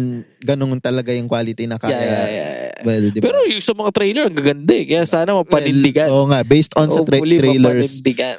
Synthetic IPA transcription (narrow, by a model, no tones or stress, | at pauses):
ɡɐnoŋt̪ɐlɐɡajʊŋkwaːlɪt̪inɐkajajaja̰wɛld̪ɪpɛːɾojʊŋsɐmɐŋat̪ɾejlɛɹɐŋɡɐɡɐnd̪ɛkɐjasaːnɐmɐwpɐnɪnd̪ɪɡanoːʔŋaʔbejst̪ɔnɐɾʊliɾɛjlɛɹɪnd̪ɪɡɐn